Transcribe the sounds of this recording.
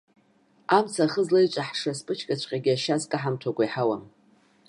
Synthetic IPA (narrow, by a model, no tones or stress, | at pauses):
amt͡sʰaχəzlajt͡ʃʷʼaħʂaspʼɨt͡ʃʰkʼat͡ʃʷʼqʲʼaɡʲɪaʃazkʼaħamtʰakʷʼaiħawam